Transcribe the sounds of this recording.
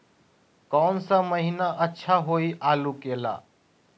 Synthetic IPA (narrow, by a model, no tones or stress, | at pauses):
kɔːnsaməɦinaʔətːʃʰaɦoːiʔaːlukeːla̰ː